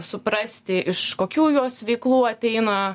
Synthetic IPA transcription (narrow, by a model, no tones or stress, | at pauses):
sʊpɾɐsʲt̪ʲɪʔɪʃkoːkʲuːjuɔsʋʲɛɪklˠuːɐt̪ʲɛɪnɐ